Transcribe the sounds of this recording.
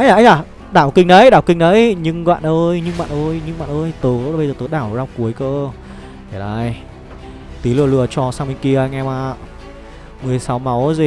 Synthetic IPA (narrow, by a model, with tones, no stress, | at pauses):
ʔa˧˦jʔaː˨˧˦jaː˨˩ | ɗaː˧˩wkï˧˩ŋ̟ɗə˨˦jɗaː˧˩wkï˧ŋ̟ɗə˨˦jɲɨ˧ŋɣa̰ː˧˨nʔə˧jɲɨ̰˧ŋɓa̰ː˧˨nʔə˧jɲɨ˧ŋɓa̰ː˧˨nʔəː˧jt̪əː˨˦˧ɓə˧zːt̪oː˨˦jɗaː˧˩wzaː˧wku˨˦əjkəː˧ | ɛ˨˩laː˧˩j | t̪i˨˦lɨ̰˧˨əlɨ˧˩ət͡ɕɔ˧saː˧mï˧ŋ̟ki˧ə˧ŋɛ˧maː˧˩ | mɨ˨˩əjsa˨˦wma˨˦wzi˨˩